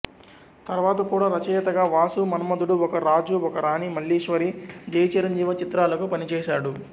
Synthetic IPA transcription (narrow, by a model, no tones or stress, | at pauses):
t̪ɐɾʋaːt̪̬ɐkuːɽaːɾɐt͡ʃɐːjɐt̪ɐɡaːʋaːsumɐnɐmɐd̪uɽuɔkɐɾaːd͡ʒuɔkɐɾaːnimɐɭːiːʂʋɐɾid͡ʒɐjɐt͡ʃiɾɐɲd͡ʒiːʋɐt͡ʃit̪ɾaːlɐkupɐnit͡ʃɛːʃaːɽu